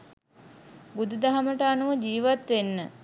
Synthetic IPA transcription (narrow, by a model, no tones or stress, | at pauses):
bud̪ud̪aɦaməʈəanuʋəd͡ʒiːʋat̪ʋenːə